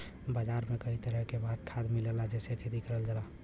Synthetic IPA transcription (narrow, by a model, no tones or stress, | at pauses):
bad͡ʒaɾmekəɦit̪əɾəɦkebad̪kʰad̪milelad͡ʒesekʰet̪ikəɾəld͡ʒəla